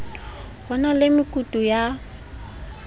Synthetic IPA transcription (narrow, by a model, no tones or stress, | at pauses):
bɔnalɪmɪkʼutʼuja